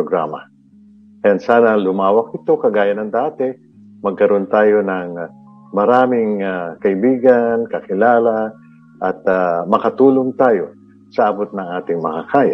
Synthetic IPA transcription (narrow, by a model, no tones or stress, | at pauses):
oɡɾa̰ːma | ʔɛnd̪saːnɐlʊmaːwɐk̚ɪt̪o̞kɐɡaːjɐnɐŋd̪aːt̪ɛ | mɐɡ̚kɐɾo̞nt̪aːjonɐŋ | mɐɾaːmɪŋakɐʔɪbiːɡankɐkɪlaːla | ʔɐt̪̚amɐkɐt̪uːloŋt̪aːjo̞ | sɐʔabot̪̚nɐŋaːt̪ɪŋmɐkakaːja̰